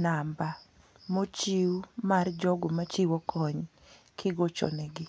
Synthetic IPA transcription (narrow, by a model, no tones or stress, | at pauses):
namba | mot͡ʃiumard͡ʒɔɡomat͡ʃiwɔkʰɔɲ | kʰɪɡɔt͡ʃɔ̰nɛɡɪ